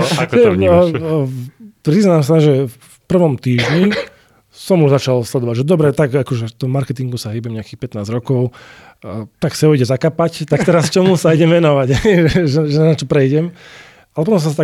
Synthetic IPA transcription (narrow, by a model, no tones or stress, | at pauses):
pɾiznamsaʒɛ | fpr̩ʋɔmt̪iːʒɲi | sɔmuʒzat͡ʃalslɛd̪ɔʋaɟʒɛd̪ɔbɾɛt̪aɡakɔʒɛt̪ɔmɔmaɾkɛt̪iŋɡusaɦibɛmɲɛakiːxpɛt̪naːzɾɔkɔʊ | t̪aksɛɔiɟɛzakapact̪ak̚t̪ɛɾast͡ʃɔmusaiɟɛmʋɛnɔʋaɟɦɛɛʒɛʒɛnat͡ʃɔpɾɛjɟɛm | alɛpɔt̪ɔ̃msast̪a